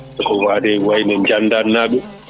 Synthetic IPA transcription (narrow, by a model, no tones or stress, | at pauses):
ɛkɔwadɛwajnɛɲd͡ʒandanːaɓɛ